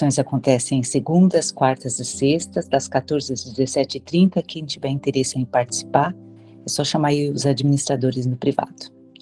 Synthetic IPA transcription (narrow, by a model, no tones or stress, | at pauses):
õj̃zakõnt̪ɛsẽj̃ẽseɡũnd̪ɐskwaɾt̪ɐzɪsest̪ɐzd̪ɐskat̪oɾzɪɐzd͡ʒɪzesɛt͡ʃɪɪt̪ɾĩnt̪ɐkɪẽt͡ʃivɛĩnt̪eɾesɐẽpaɾt͡ʃi̥si̥paɾ | ɛsɔʃamaiʊzad͡ʒiminist̪ɾad̪oɾɪznʊpɾiva̰d̪̥ʊ̥